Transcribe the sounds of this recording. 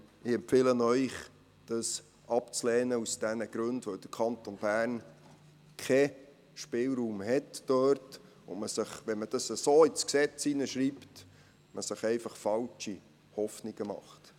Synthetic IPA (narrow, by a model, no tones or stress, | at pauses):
ɪɛmpfɪlənœʏχ | d̥ɑs | ʔɑpt͡slɛːnəusd̥ɛnəɡ̥ɾɵndʋœwd̥əɾkʰχɑntonbæːrn | kʰɛ | ʃpɪlɾuːmhɛtːøːrt | ʊ̰məsəχʋɛnməd̥ɑsəsoːisksɛt͡sinəʃɾiːpt | məsəχɛɪfɑχfɑlt͡ʃi | hɔfniɡ̥əmɑ̰χt